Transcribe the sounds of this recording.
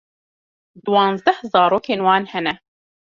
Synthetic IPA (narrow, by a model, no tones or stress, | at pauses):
d̪wɑːnzd̪ɛhzaːɾoːkʰeːnwaːnhɛnɛ